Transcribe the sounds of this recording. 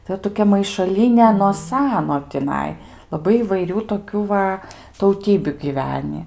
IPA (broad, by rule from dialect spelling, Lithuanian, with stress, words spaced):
tɐɪ ˈoːt toːˈkʲɛ mɐɪʃɐˈlʲiːnʲɛ noː ˈsɑːnoː tʲɪˈnɐɪ lˠɐˈbɐɪ iːʋɐɪˈrʲuː toːˈkʲuː ʋɐ tɐʊˈtʲiːbʲʊ ɡʲɪˈʋʲæːnʲiː